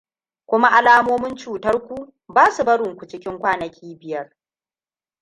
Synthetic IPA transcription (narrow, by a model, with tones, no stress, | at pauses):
kʷʊ˦ma˦ʔa˨laː˦moː˦mʊ˦nt͡ʃuː˨tɐ˦rkʷu˦ | baː˦su˨bɐ˦ɽʊ˨ŋkʷu˨t͡ʃɪ˦kʲɪ˦ŋkʷaː˦nɐ˨kʲʰiː˦bɪ˨jɐ˦r